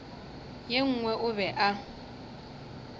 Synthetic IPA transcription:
jeŋ̩ːŋwɛʔʊβɛʔa

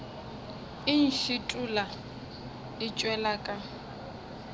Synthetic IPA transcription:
ɪn̩ɬɪtʼula | ɪt͡ʃʼwɛlakʼa

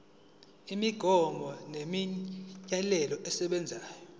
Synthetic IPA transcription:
imiɡ̥ʱɔmʱɔnemiɲalɛlɔʔɛsɛɓɛnd͡zʱaːjɔ

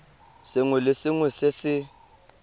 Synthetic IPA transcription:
sɪŋwɛlɪsɪŋwɛsɪsɪ

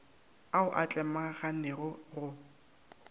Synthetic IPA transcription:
aʊʔat͡ɬʼɛmaɣanɛɣʊrʊ

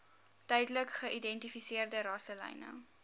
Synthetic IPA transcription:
tœjdləkχəʔidɛntifisiərdəɾɑsəlɛ̰jnə̰

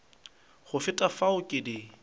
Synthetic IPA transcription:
χʊfɪtʼafaʊkʼɪdɪ

